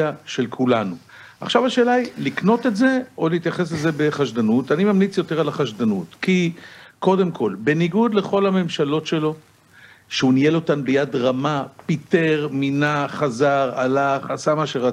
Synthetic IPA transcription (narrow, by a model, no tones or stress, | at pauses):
aʃe̞lkʰulanu | a̰χʃavaʃe̞ːlailikno̞tetze̞o̞liːt̪jaχe̞s̬lezebeχaʃdanutanimamlit͡sjo̞teʁalaχaʃdanutkiko̞de̞mkʰo̞lbe̞niɡud̪le̞χo̞lame̞mʃalo̞tʃe̞lo̞ | ʃeunijelo̞tanbejadʁamapite̞ʁminaχazaʁalaχasamaʃeʁa